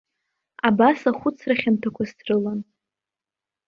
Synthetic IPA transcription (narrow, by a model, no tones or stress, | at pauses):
abasaχʷʊt͡sʰraχʲamtʰakʷʰastʰrɨlan